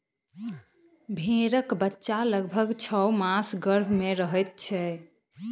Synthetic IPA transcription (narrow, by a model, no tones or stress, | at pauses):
bʱeɾəkbətːʃaləɡbʱəɡt͡ʃʰəwmasɡəɾbʱmeɾəɦət̪̚t͡ʃʰɛ